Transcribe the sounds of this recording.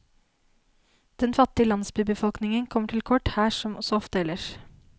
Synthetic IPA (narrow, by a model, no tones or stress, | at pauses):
d̪̥ɛnfɑt̪ːɪəlɑnsbibəfɔlknɪŋənkʰɔmːəʈʰɪlkʰɔʈhæːʂɔmɔsɔɔft̪əɛlːəʃ